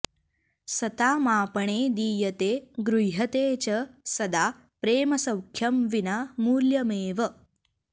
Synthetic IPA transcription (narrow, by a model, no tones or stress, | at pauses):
sɐt̪aːmaːpɐɳeːd̪iːjɐt̪eːɡɾujɦɐt̪eːt͡ɕɐsɐd̪aː | pɾeːmɐsɐwkʰjɐmʋinamuːɾljɐmeːʋɐ